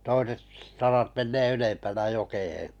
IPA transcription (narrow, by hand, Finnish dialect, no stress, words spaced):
toiset sɑrɑt menːeː ylempænæ jokehẽː